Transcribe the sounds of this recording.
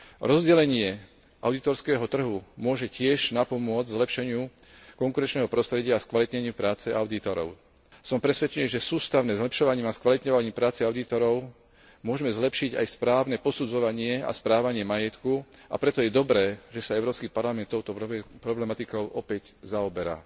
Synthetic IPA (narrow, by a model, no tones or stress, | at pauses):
ɾɔzɟɛlɛɲɪɛ | ʔaʊd̪it̪ɔɾskɛːɦɔt̪r̩ɦumʊɔʒɛcɪɛʒnapɔmʊɔd͡zzlɛpʃɛɲɪu | kɔŋkuɾɛnt͡ʃnɛːɦɔpɾɔst̪ɾɛɟɪaːskʋalit̪ɲɛɲiupɾaːt͡sɛʔaʊd̪it̪ɔɾɔ̰ʊ | sɔmpɾɛsʋɛt͡ʃɛniʒɛsuːst̪aʊnɛzlɛpʃɔʋaɲiːmaskʋalit̪ɲɔʋaɲiːmpɾaːt͡sɛaʊd̪it̪ɔɾɔʊ | mʊɔʒɛmɛzlɛpʃiɟa̰jspɾaːʊnɛpɔsud͡zɔʋaɲɪɛa̰spɾaːʋaɲɪɛmajɛt̪kua̰pɾɛt̪ɔjɛd̪ɔbɾɛːʒɛsaɛʊɾɔːpskipaɾlamɛnt̪ːɔʊt̪ɔpɾɔblɛmat̪ikɔʊʔɔpɛɟzaɔbɛɾa̰ː